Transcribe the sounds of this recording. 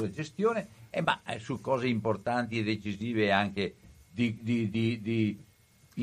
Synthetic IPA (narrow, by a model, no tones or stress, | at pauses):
led͡ʒest̪joːneema̰sukɔːzeimport̪ant̪̬ied̪et͡ʃiziːveaŋked̪id̪id̪id̪i